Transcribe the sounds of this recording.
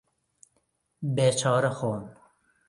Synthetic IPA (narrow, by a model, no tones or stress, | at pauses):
beːt͡ʃʰɑːɾɐxoːn